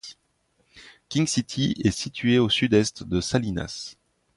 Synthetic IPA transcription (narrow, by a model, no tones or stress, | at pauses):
kʲĩŋsit̪ʰiɛsit̪ʰɥeosyd̪ɛst̪d̪əsalina̰s